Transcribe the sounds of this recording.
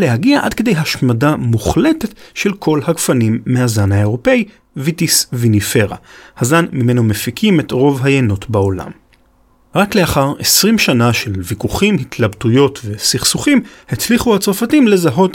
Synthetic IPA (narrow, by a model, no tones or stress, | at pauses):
le̞ɦaɡiaʔa̰dkedejɦaʃmadamuχle̞tetʃe̞lkʰo̞lhakfanimːehazanhaeʁo̞pe̞i | vitisvinifeʁa̰hazanmime̞nomefikʰime̞tʁo̞vɦajenotbao̞la̰m | ʁakle̞aχaʁesʁimʃanaʃe̞lvikuχimhitʰlabtujo̞tve̞siχsuχimhet͡sliχuhat͡soʁfatimle̞zaɦo̞t